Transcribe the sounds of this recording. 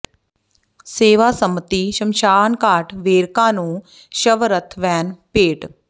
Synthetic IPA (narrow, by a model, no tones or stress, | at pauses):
seːʋaːsəmət̪iːʃəmʃaːnkaːʈʋeːɾkãːnũː | ʃəʋɾət̪ʰʋɛːnpeːʈ